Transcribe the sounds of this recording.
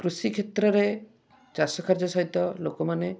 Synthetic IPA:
kɾusikʰet̪ɾɔɾe | d͡ʒasɔkʰaɾd͡ʒɔsɔɦit̪ɔlokɔmane

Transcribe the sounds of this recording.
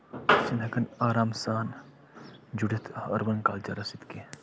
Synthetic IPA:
sinɦɐkɐnaːɾaːmsaːn | d͡ʒuɽit̪ʰɐ̰ɾʋɐnka̰ːlt͡ʃɐ̰ɾɐsit̪ke

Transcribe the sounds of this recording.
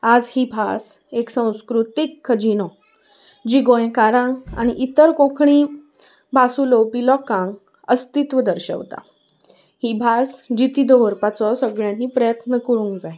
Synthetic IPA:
ad͡zhibʱas | eksə̃w̃skɾut̪ikʰːəd͡ʑinɔ | d͡ʑiɡõj̃kaɾãŋɡa̰ñiʔit̪əɾkõkʰɳi | bʱasulowpilɔkãŋɡ | əst̪it̪ʋəd̪əɾɕə̰wt̪a̰ | hibʱasd͡ʑit̪id̪əʋəɾpat͡sɔsəɡɭjãɦipɾəjət̪nəkəɾũŋkd͡zaɦi

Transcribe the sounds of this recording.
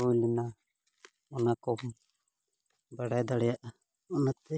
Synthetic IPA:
uluna | ɔnakɔ | baɽajd̪aɽɛjaʔ | ɔnat̪ɛ

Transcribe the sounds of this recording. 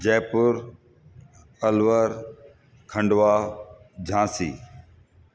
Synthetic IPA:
d͡ʒeːpʊɾ | əlʋəɾ | kʰə̃ɳɖʋaːd͡ʑʱãːsḭː

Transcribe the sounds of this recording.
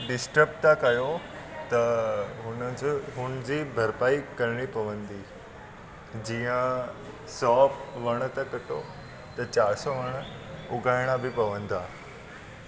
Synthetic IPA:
ɖɪsʈəpʈ̪akajot̪əɦunət͡sːɦund͡ʑiːbʱəɾpaikəɾɳipɐʋənd̪i | d͡ʑĩjə̃ | sɔfʋəɳ̃t̪əkəʈo | t̪ət͡ɕaɾsoʋəɳ̃ | uɡajɽ̃abʱipɐʋənd̪a

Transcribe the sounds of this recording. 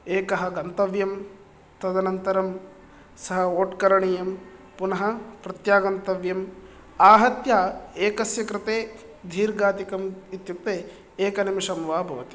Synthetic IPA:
eːkɐɦɐɡɐnt̪ɐʋjɐm | t̪ɐd̪ɐnɐnt̪ɐɾɐm | sɐɦɐoːʈkɐɾɐɳijɐm | punɐɦɐpɾɐt̪jaːɡɐnt̪ɐʋjɐm | aːɦɐt̪jaːeːkɐsjɐkɾɪt̪eː | d̪ʱiːɾɡaːt̪ikɐmit̪juk̚t̪eː | eːkɐnɐmiʃɐmʋaːbʱɐʋɐt̪i̥

